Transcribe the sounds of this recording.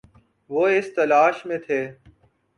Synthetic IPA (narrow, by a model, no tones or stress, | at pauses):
ʋoːɪst̪əlaːʃmẽːt̪ʰeː